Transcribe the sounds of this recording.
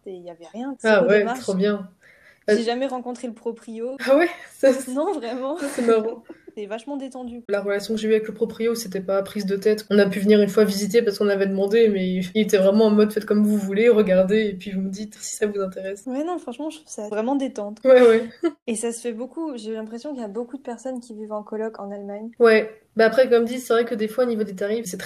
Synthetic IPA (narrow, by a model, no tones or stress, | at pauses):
eijavɛʁjɛ̃awɛt̪χobjɛ̃ | aʒeʒamɛʁɑ̃kɔ̃t̪χeləpχɔpχioawɛsanɔ̃vʁɛmɑ̃sɛmaʁɑ̃ɛvaʃmɑ̃d̪et̪ɑ̃d̪ylaʁəlasjɔ̃kəʒeyavɛkləpχɔpχioset̪ɛpapχizd̪ət̪ɛt̪ɔ̃napyvəniʁynfwavizit̪epasə̥kɔ̃nlavɛd̪əmɑ̃d̪emɛilet̪ɛvʁɛmɑ̃ɛ̃mɔd̪fɛt̪kɔmvuvuleʁəɡaʁd̪eːpɥivuməd̪it̪si̥savuzɛ̃t̪eʁɛswɛnɔ̃fχɑ̃ʃmɑ̃ʃət̪χuvsavʁɛmɑ̃d̪et̪ɑ̃t̪wɛwɛesasəfɛbokuʒeylɛ̃pχesjɔ̃kiljabokud̪əpɛʁsɔnkʲivivɑ̃kɔlɔkɑ̰̃nalmaɲwɛ | baapχɛkɔmd̪it̪sɛvʁɛkəd̪efwaonivod̪et̪aʁifsɛt̪χɛ